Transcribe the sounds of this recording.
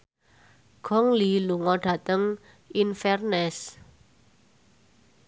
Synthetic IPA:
ɡ̥ɔŋliluŋɔɖ̥a̤t̪əŋ | ʔinfɛrnɛs

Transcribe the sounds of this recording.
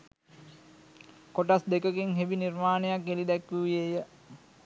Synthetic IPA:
koʈasd̪ekəkeŋɦebinirmaːnəjakːelid̪ɛkʋuʋjeːjə

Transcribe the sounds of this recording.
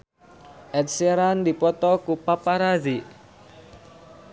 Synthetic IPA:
ʔɛt̪seɾand̪ipɔt̪ɔkupapaɾazi

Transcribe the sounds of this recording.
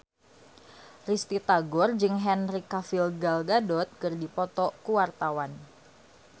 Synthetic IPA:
rist̪it̪aɡɔrd͡ʒɨŋɦɛnrikafilɡalɡadɔt̪̚kərdipɔt̪ɔkuwart̪awan

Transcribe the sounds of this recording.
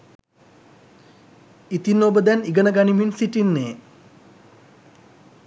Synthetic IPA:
it̪inobəd̪æniɡənəɡaniminsiʈinːeː

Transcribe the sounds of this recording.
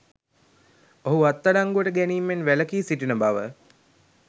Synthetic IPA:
oɦuat̪ːaɖaŋɡuʋəʈəɡæniːmːenʋæləkiːsiʈinəbaʋə

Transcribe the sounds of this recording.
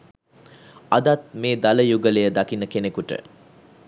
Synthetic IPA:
ad̪at̪̚meːd̪aləjuɡəlejəd̪akinəkenekuʈə̰

